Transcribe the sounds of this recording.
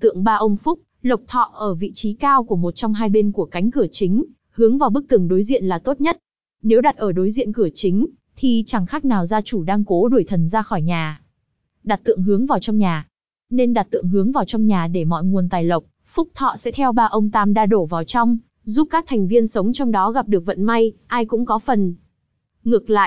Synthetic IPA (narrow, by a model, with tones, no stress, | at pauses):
t̪ɨ̰˧˨əŋɓaː˧ʔə˧wŋ͡mfʊ˦˥k͡p̚ | lə˨˩wk͡p̚t̪ʰɔ̰˧˨ʔəː˧˩vḭ˧˨t͡ɕi˨˦kaː˧wku˧˩əmo˨˩t̚t͡ɕɔ˧wŋ͡mɦaː˧jɓe˧nku˧˩əka˨˦jŋ̟kɨ˧˩ət͡ɕï˨˦ŋ̟ | hɨ˨˦əŋvaː˨˩wɓɨ˦˥k̚t̪ɨ˨˧˩ŋɗo˨˦jzḭ˧˨ənlaː˨˩t̪o˦˥t̚ɲə˦˥t̚ | ne˨˦wɗa˨˩t̚ʔəː˧˩ɗo˨˦jzḭ˧˨ənkɨ˧˩ət͡ɕï˨˦ŋ̟ | t̪ʰi˨˩t͡ɕa˧˩ŋxa˦˥k̚naː˨˩wzaː˧t͡ɕu˧˩ɗaː˧ŋko˨˦ɗu˧˩əjt̪ʰə˨˩nzaː˧xɔ˧˩jɲaː˨˩ | ɗa˨˩t̚t̪ɨ̰˧˨əŋɦɨ˨˦əŋvaː˨˩wt͡ɕɔ˧wŋ͡mɲaː˨˩ | ne˧nɗa˨˩t̚t̪ɨ̰˧˨əŋɦɨ˨˦əŋvaː˨˩wt͡ɕɔ˧wŋ͡mɲaː˨˩ɗe˧˩mɔ̰˧˨jŋu˨˩ənt̪aː˨˩jlə˨˩wk͡p̚ | fʊ˦˥k͡p̚t̪ʰɔ̰˧˨sɛ̰˧˥t̪ʰɛ˧wɓaː˧ʔə˧wŋ͡mt̪aː˧mɗaː˧ɗo˧˩vaː˨˩wt͡ɕɔ˧wŋ͡m | zu˦˥p̚kaː˦˥k̚t̪ʰɛ˨˩ŋ̟vi˧ənsə˨˦wŋ͡mt͡ɕɔ˧wŋ͡mɗɔ˨˦ɣa˨˩p̚ɗɨ˨˩ək̚və̰˧˨nma˧jʔaː˧jkʊ̰˧˥ŋ͡mkɔ˨˦fə˨˩n | ŋɨ˨˩ək̚la̰ː˧˨jʔ